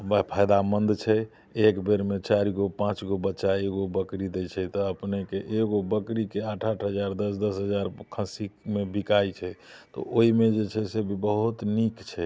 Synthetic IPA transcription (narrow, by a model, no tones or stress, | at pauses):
bəpʰajd̪amənd̪t͡ʃʰɛ | ekbeɾmet͡ʃaɾiɡopãt͡ʃɡobətːʃaeɡobəkɾid̪ɛt͡ʃʰɛt̪ɔəpnekeʔeɡobəkɾikeaʈʰaʈʰɦəd͡ʒaɾd̪əsd̪əsɦəd͡ʒaɾkʰə̃sikmebikajt͡ʃʰɛt̪ɔ̰ʔoimed͡ʒet͡ʃʰɛsebʱibəɦut̪nikt͡ʃʰɛ